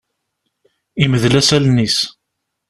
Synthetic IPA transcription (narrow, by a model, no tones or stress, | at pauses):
iməðlæsælnis